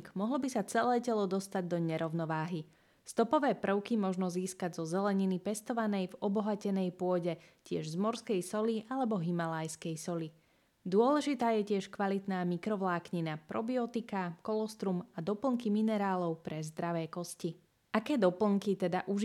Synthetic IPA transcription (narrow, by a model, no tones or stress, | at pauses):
kmɔɦlɔbisat͡sɛlɛːcɛlɔd̪ɔst̪aɟd̪ɔɲɛɾɔʊnɔʋaːɦi | st̪ɔpɔʋɛːpr̩ʊkimɔʒnɔziːskaɟzɔzɛlɛɲinipɛst̪ɔʋanɛjvɔbɔɦacɛnɛjpʊɔɟɛcɪɛ̰ʒzmɔɾskɛjsɔliʔalɛbɔɦimalajskɛjsɔli | d̪ʊɔlɛʒit̪aːjɛcɪɛʃkʋalit̪naːmikɾɔʋlaːkɲinapɾɔbiɔt̪ikakɔlɔst̪ɾumad̪ɔpl̩ŋkiminɛɾaːlɔʊpɾɛzd̪ɾaʋɛːkɔsci | akɛːd̪ɔpl̩ŋkit̪ɛd̪aʔuʒ